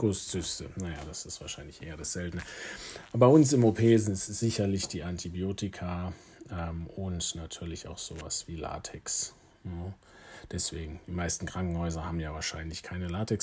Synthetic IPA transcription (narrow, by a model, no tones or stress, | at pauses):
ɡ̥ʊst͡sʏstənajaːd̥asɪstv̥aːɐʃaɪnlɪçʔḛːɐdasz̥ɛltn̩əʔaːbaɪʊnsɪmopʰeːzɪnɪstz̥ɪçɐlɪçd̥iːʔantʰibioːtɪkʰa | ʔɛmʊntnatʰyːɐlɪçaʊxz̥oːva̰sv̥iːla̰ːtʰɛks | nə | d̥ɛsv̥eːɡŋ̩d̥iːmaɪstn̩kʁ̥aŋkŋ̩hɔʏzɐhaːbm̩jaːvaːɐʃaɪnlɪçkʰaɪnəlaːtʰɛks